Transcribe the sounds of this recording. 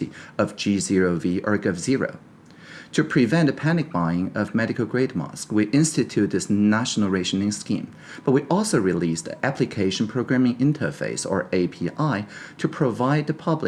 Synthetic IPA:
ḭʌvd͡ʒizɪɹoʊviʔə˞ɡʌvzɪɹo̰ʊ | tʰɨpʰɹ̥ɨvɛ̃ntɨpʰænɨk̚b̥aɪɪ̃ŋʌvmɛɾɨkl̩ˠɡɹeɪd̚mɑ̰skwiʔɪ̃nstɨtʰʉt̚ðɪsnæʃn̩l̩ˠɹeɪʃnɪ̃ŋskḭ̃m | b̥ʌt̚wiʔɔlˠsoʊɹilistʔæpʰlɨkʰeɪʃn̩pʰɹ̥oʊɡɹæ̃mɪ̃ŋɪ̃ntʰə̰˞fḛɪsə̰˞ʔeɪpʰiʔaɪtʰɨpʰɹ̥əvaɪd̪̚ðɨpʰʌblɨ

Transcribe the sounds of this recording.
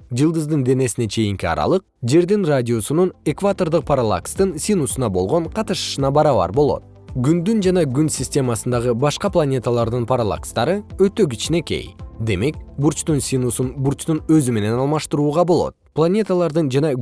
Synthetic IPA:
d͡ʒɯlˠd̪ɯzd̪ɯnd̪e̞ne̞sine̞t͡ʃʰe̞jiŋkiɑ̰ɾɑ̰lˠɯq̚d͡ʒe̞ɾd̪inradʲio̞sunune̞kvat̪o̞rd̪ɯq̚pʰaɾalˠa̰kst̪ɯnsʲinusunɑbo̞lˠʁo̞ɴqʰɑt̪ɯʃɯ̥ʃɯnɑbɑɾɑβɑ̰ɾbo̞lˠo̞̰t̪̚ | ɡynd̪ynd͡ʒɑnɑɡynsʲisʲtʲe̞mɑsɯnd̪ɑʁɯbɑʃqɑplˠanʲe̞t̪alˠɑɾd̪ɯnpʰaɾalˠa̰kst̪ɑɾɯø̞t̪ø̞ɡit͡ʃine̞ke̞̰jd̪e̞me̞kbuɾt͡ʃt̪unsʲinusunbuɾt͡ʃt̪unø̞zyme̞ne̞nɑlˠmɑʃt̪ɾuːʁɑbo̞lˠo̞̰t̪̚plˠanʲe̞t̪əlˠɑɾd̪ɯnd͡ʒɑnɑ

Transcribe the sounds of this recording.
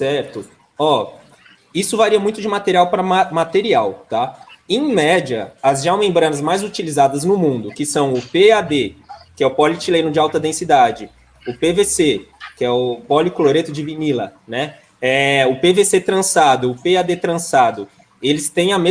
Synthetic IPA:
sɛɾt̪ʊ | ɔ | isʊvaɾiɐmũj̃t̪ʊd͡ʒɪmat̪eɾiawpɾɐmamat̪eɾiawt̪aẽj̃mɛd͡ʒɐ̰ɐzʒawmẽmbɾɐ̃nɐzmajzut͡ʃilizad̪ɐznʊmũnd̪ʊkɪsɐ̃w̃ʊpead̪ekɪɛʊpɔlɪt͡ʃilẽj̃nʊd͡ʒɪawt̪ɐd̪ẽsid̪ad͡ʒɪ | ʊpevesekɪɛʊpɔlɪkoloɾet̪ʊd͡ʒɪvinilɐnɛ | ɛʊpeveset̪ɾɐ̃sad̪ʊʊpead̪et̪ɾɐ̃sad̪ʊ | elɪst̪ẽj̃ɐme

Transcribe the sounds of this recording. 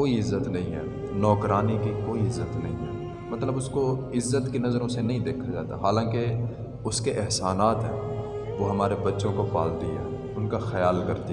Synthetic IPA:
koːiɪzːət̪nɐɦĩɦɛ̰ː | nɔːkɾaːnikikoːiɪzːət̪nɐɦĩɦɛ̰ː | mɐt̪ləbʊskoɪzːət̪kinɐzəɾõsenɐɦĩd̪eːkʰad͡ʒaːt̪a̰ɦaːlãːke | ʊskeʔɪɦsaːnaːt̪ɦɛ̃ː | ʋoːɦɐmaːɾebɐtːʃõkopaːlt̪iɦɛ̰ː | ʊnkaxɐjaːlkɐɾt̪i

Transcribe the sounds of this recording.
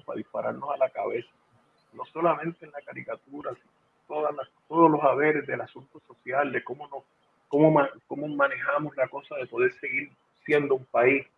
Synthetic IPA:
pa̰ðihpaɾa̰ɾnosalakaβe̞sḁ | no̞so̞lamẽnt̪enlakaɾikat̪uɾasino | t̪oðalat̪o̞ðoslo̞saβe̞ɾe̞zðe̞lasunt̪oso̞sjald̪e̞ko̞monos | komomako̞momãne̞hamo̞slako̞saðe̞po̞ðe̞ɾse̞ɣiɾ | sje̞nd̪oumpais

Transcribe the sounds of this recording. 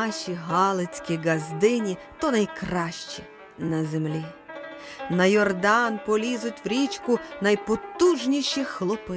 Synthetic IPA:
ʃʲiɦɑlˠet͡sʲkʲiɡɐzd̪ɪnʲit̪ɔnɐjkrɑʃt͡ʃi | nɐzemlʲi | nɐjɔrd̪ɑnpɔlʲizʊtʲwɾʲit͡ʃkʊnɐjpɔt̪uʒnʲiʃixlˠɔpɪ

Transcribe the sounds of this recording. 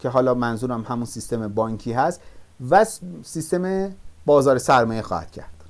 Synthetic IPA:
cʰe̞ɦɒːlɒːmænzuːɾæmhæmunsist̪e̞mebɒːŋcʰiːɦæst̪væssist̪e̞mebɒːzɒːɾesæɾmɒːjexɒ̰ːhæ̰d̪̥cʰæ̰ɾd̪̥

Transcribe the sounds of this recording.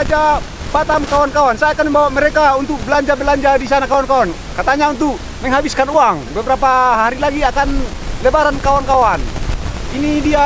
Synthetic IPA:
d͡ʒa | pat̪amkawankawansajakanmɛmbawamɛɾɛkaunt̪uk̚bəlaɲd͡ʒabəlaɲd͡ʒadisanakawankawan | kat̪aɲaunt̪uk̚ | mɛŋɦabiskanuaŋbəbəɾapaɦaɾilaɡiakan | lɛbaɾankawankawaninidia

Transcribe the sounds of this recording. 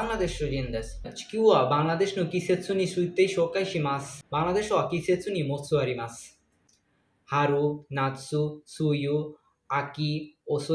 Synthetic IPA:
aŋlad̪eʃod͡ʒind̪est͡ʃkiwabaŋlad̪eʃnukisett͡sʰunisujt̪ːejʃokajʃimasbaŋlad̪eʃɔakiset͡sʰunimot͡sʰːuaɾimas | haɾunat̪susuju | akioso

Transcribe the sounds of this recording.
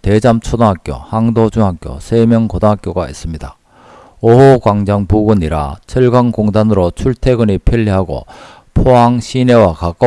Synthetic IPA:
ted͡ʑamt͡ɕʰodoŋɦak͈jo̰haŋdod͡ʑuŋɦak͈jo̰sʰemjʌŋkodaɦak͈joɡaḭs͈ɯmɲida | oɦokwaŋd͡ʑaŋpuɡuɲiɾa̰t͡ɕʰʌɭɡwaŋkoŋdanɯɾot͡ɕʰuɭtʰeɡɯnipʰiʎːiɦaɡo̰ | pʰoɦaŋɕʰine̞wakak͈a

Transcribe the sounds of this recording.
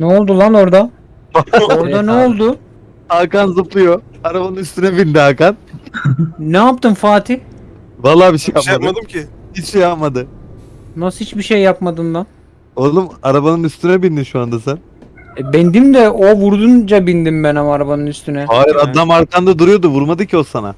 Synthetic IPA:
nɛolˠd̪ulˠano̞ɾd̪a | aoɾd̪anɛolˠd̪ʊ | aɾkanzɯplˠɯjoaɾabanɯnyst̪ynɛbind̪iakan | nɛap̚t̪ɯmfaːt̪ʰi | valˠːaːbiʃejapjamad̪ɯmcʰihit͡ʃʃejapmad̪ɯ | nasɯhit͡ʃbiʃejːapmad̪ɯnd̪a | olˠumaɾabanɯnyst̪ʰynɛbind̪imʃuand̪asæn | ɛbɛnd̪imd̪ɛovuɾd̪und͡ʒabind̪imbɛnamaɾabanɯnyst̪ynɛhaːjiɾad̪ːamaɾkʰand̪ad̪uɾujo̞d̪uvuɾmad̪ɯcʰiosana̰

